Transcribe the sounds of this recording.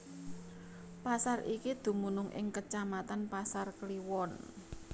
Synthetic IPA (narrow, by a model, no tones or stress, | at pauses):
pasarʔikid̪̥ṳmunʊŋʔɪ̰ŋkət͡ʃamat̪anpasarkliwɔn